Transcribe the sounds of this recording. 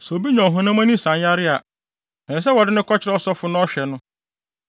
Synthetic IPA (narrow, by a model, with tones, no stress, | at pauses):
sɔ˨o˨bi˦ɲɔ̃˨ɦʊ̃˦nã˦mã˦nĩ˦sã˨nja˦ɾɪ˦a˨ | nɛ̃˨s̬ɛ˦wɔ˨dɪ˦nʊ̃˦kʰɔ˦t͡ɕʰɪ˦ɾɛ˦ɔ˦sɔ˦fʊ˦nʊ̃˦ɔ˦ɕᶣɛ˨nʊ̃˦